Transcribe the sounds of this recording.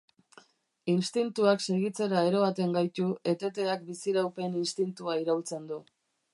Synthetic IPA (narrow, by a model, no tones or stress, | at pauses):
inst̪int̪uakse̞ɣit͡se̞ɾae̞ɾo̞at̪e̞ŋɡajt̪ue̞t̪e̞t̪e̞ak̚bisiɾawpe̞ninst̪int̪uaiɾawlt͡se̞nd̪u